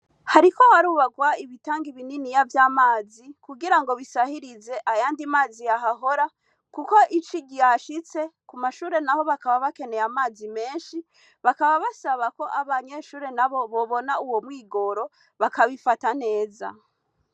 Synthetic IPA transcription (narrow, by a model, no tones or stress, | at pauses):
haɾiko̞waɾuːβaɡwaiβitaːŋɡiβininijavjaːmaːzikuɡiɾaŋɡo̞βisahiɾize̞ʔajaːndimaːzijaɦaɦo̞ɾa | kuko̞ʔit͡ʃiɟijaʃit͡se̞kumaʃuːɾe̞naho̞βakaβaβake̞ne̞jamaːzime̞ːnʃi | βakaβaβasaβako̞ʔaβaɲe̞ːʃuːɾe̞naβo̞βo̞βo̞nauwo̞mwiːɡo̞ɾo̞ | βakaβifatane̞ːza̰